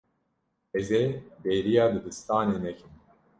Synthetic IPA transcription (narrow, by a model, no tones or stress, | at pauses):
ɛzeb̪eːɾijɑːd̪ɨd̪ɨst̪aːneːnɛkʰɨn